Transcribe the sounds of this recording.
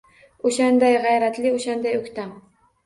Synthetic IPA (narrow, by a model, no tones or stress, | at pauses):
oʃand̪ajʁajɾat̪lɪoʃand̪ajʊkʲt̪am